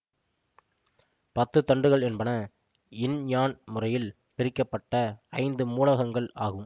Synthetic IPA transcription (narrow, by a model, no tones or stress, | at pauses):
pɐt̪ːɯt̪ɐɳɖɯɣɐɭɛnbɐnɐ | ɪnɲaːnmʊrɐjɪl | pɪɾɪkːɐpːɐʈːɐɐɪnd̪ɯmuːlɐɣɐŋɡɐɭaːɣɯm